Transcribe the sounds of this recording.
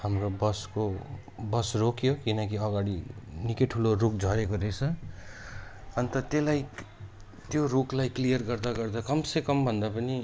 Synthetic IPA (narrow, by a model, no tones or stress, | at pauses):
hamrobʌsko | bʌsrokʰjokinʌkiʌɡaɽinikeʈʰulorukd͡zʱʌɾekoɾesʰʌ | ʌnt̪ʌt̪elaj | t̪joɾuklajklijʌrɡʌrd̪aɡʌrd̪akʌmsekʌmbʱʌnd̪apʌni